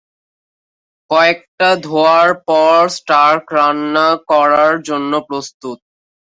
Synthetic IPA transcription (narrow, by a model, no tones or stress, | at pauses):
kɔek̚ʈad̪ʱoaɾpɔɾsʈaɾkɾanːakɔɾaɾd͡ʑonːopɾost̪ut̪̚